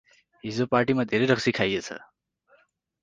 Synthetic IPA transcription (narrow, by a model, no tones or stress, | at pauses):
ɦizopaɾʈimãd̪ʱeɾeɾəksikʰajet͡ʃʰḛ